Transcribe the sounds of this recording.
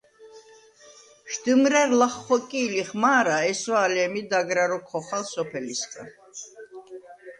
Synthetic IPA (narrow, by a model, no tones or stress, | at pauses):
ʃd̪̥ɨmɾɛɾlaχːɔkʼiːliχmaːɾaɛsɔalɛmid̪aɡɾaɾɔkʰɔχalsɔpʰɛlisɡʼa̰